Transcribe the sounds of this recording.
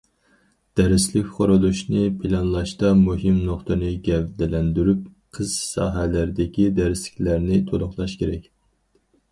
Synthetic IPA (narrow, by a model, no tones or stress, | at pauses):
d̪̥ɛɾɪslɪkʲχoɾulˠuʃnɨpʰɪlɑnlˠɑʃt̪ɑmuɦimnoχt̪ɨnɨɡʲɛvd̪ɪlɛnd̪yɾyp̚qʰəz̥sɑ̰ːɦælæɾd̪ɪkʲid̪æɾɪslɪ̥kʲlæɾnɪt̪ʰolˠʊχlˠɑʃkʲeɾɛkʲ